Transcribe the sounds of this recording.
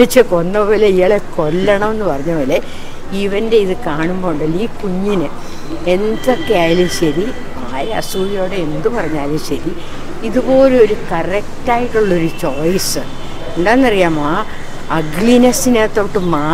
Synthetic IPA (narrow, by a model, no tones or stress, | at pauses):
ɐt͡ɕːɐkonːɐpoːleijɐɭeko̞lːɐɳɐmenːɨpɐrɐɲːɐpoːle | iʋɐnde̞iðɨkaːɳumbo̞ːɳɖɐlːiːkuɲːinɨ | e̞nd̪okːejaːjlumɕɐɾi | aːɾeɐ̰suːʋijo̞ːɽee̞nd̪upɐrɐɲːaːlumɕɐɾi | iðubo̞ːleo̞ɾukɐrɐk̚taːjiʈːuɭːɐo̞ɾut͡ɕoːjsɨ | uɳɖaːenːɐrijaːmaː | ɐɡɭinɐsinet̪ːoːʈːɨmaː